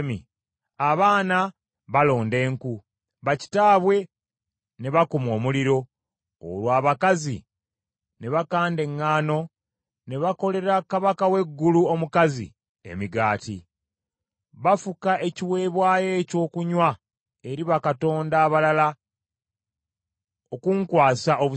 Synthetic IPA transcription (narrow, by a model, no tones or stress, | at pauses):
mḭ | aβaːna | βalo̞ːnde̞ːŋku | βaci̥taːβwe̞ | ne̞βakumo̞ːmuliɾo̞ | o̰lwaːβakazḭ | ne̞βakaːnde̞ŋːaːno̞ | ne̞βako̞le̞ɾakaβakawe̞ɡːuluomukazḭ | e̞̰miɡaːtḭ | βafukaʔe̞ciwe̞ːβwaːje̞co̞ːkuɲwa | e̞ɾiβakato̞ːndaːβalala | okuŋkwaːsaʔoβu